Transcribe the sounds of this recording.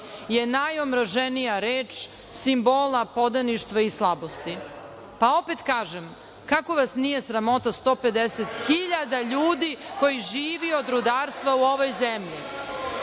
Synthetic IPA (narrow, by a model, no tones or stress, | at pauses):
je̞najomɾaʒenijaɾeːt͡ʃ | simbolapo̞d̪aniʃt̪ʋaislˠabo̞st̪i | pao̞pet̪kaːʒem | kako̞ʋasnije̞sɾamo̞t̪ast̪o̞pe̞d̪eset̪xiʎad̪aʎuːd̪iko̞jiʒiːʋio̞d̪ɾud̪aːɾst̪ʋauo̞ʋo̞jzemʎi